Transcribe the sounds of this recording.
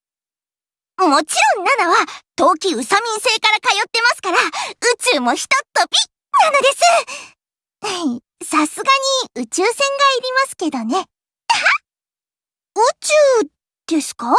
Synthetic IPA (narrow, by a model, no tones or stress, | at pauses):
mo̞t͡ɕiɾõ̞nːad̪aβat̪o̞ːkʲiɯ̟samʲĩɰ̃se̞ːkaɾakajo̞t̪ːe̞masɨ̥kaɾaɯ̟t͡ɕɨːmo̞çi̥t̪o̞t̪ːo̞bʲi | nano̞d̪e̞sɨ | a | sasɨɡaɲ̟iɯ̟t͡ɕɨːsẽ̞ŋɡaiɾʲimasɨ̥ke̞d̪o̞ne̞ | ha | ɯt͡ɕɨː | d̪̥e̞sɨ̥ka